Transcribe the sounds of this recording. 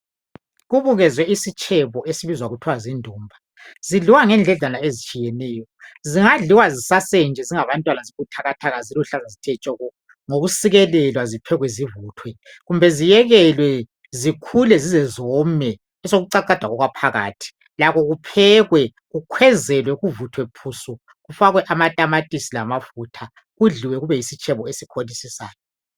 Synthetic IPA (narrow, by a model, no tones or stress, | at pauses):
ɣuβuɣɛzwɛisit͡ʃʰʼɛβɔesiβizwaɣutʰwazindʱuːmbʱa | z̥iɮiwaŋɛnd͡ɮʱɛɮalaezit͡ʃʼijɛnɛːjɔziŋaɮiwazisasɛnd͡ʒʱɛziŋaβantʼwanaziɣutʰaɣatʰaɣaziluɬazazitʰɛt͡ʃʼɔɣɔ | ŋoɣusiɣɛlɛlwazipʰɛɣwɛzivuːtʰwɛ | ɣumbʱɛzijɛɣɛlwɛ | zikʰulɛzizɛzɔmɛ | ɛsoɣuǀaǀad̥ʱaɣɔɣwapʰaɣa̰ːtʰi̥ | lakɔɣupʰɛɣwɛ | ɣukʰwɛzɛlwɛɣuvutʰwɛpʰusɔ | ɣufaɣwɛʔamatʼamatʼisilamafutʰa | ɣuɮiwɛɣuβɛjisit͡ʃʼʰɛβɔesikʰolisisa̰ːjɔ